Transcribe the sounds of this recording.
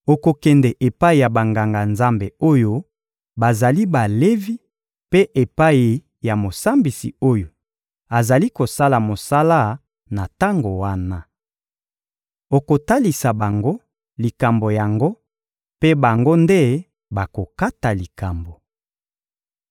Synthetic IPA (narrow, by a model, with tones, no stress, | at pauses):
o˨ko˨kɛ˨ndɛ˨ʔe˨pa˦i˨ja˨ba˨ŋɡa˨ŋɡa˨nza˦mbe˨o˦jo˦ | ba˨za˨li˦ba˨le˦vi˦ | pe˦ʔe˨pa˦i˨ | ja˨mo˨sa˦mbi˨sḭ˨o˦jo˨ | a˨za˨li˦ko˨sa˦la˨mo˨sa˦la˦ | na˨ta˦ŋɡo˨wa˦na˦ | o˨ko˨ta˦li˨sa˨ba˨ŋɡo˦ | li˨ka˨mbo˨ja˨ŋɡo˦ | pe˦ba˨ŋɡo˦nde˦ | ba˨ko˨ka˦ta˨li˨ka˨mbo˨